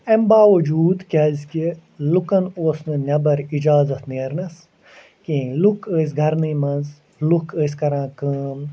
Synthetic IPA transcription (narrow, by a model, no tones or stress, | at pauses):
ɐmbaːʋɐd͡ʒuːd̪kʲɐzʲkilukɐnoːsnɨnʲɐbɐɾid͡ʒaːzɐt̪ʰniːɾnɐs | kiːlukəːs̬ɡʱɐɾnɨːmɐnz | lukəːs̬kɐɾãːkɨːm